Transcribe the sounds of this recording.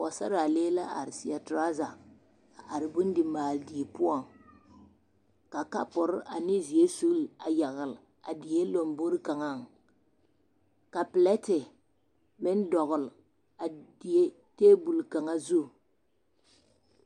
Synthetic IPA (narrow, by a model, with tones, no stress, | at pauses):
a˨sa˦ɾa˨leː˦la˦ʔa˨ɾɪ˨sɪ˨a˨tɾa˦za˨ | a˨ɾɪ˨bʊ˦n˦dɪ˨maː˨ldi˨e˨pʊ˦ɔ˨ŋ | ka˨ka˦pʊ˨ɾa˨nɪ˦zi˨e˦su˦la˨ja˨ɣɪ˨l | a̰˨dɪ˨je˦lo˨mbo˦ɾɪ˦ka˨ŋa˦ŋ | ka˨pɪ˨lɛ˦tɪ˨ | mɪ˦n˦dɔ˨ɣʊ˨l | a˨di˨e˦ | teː˦bu˨lka˨ŋa˦zu˦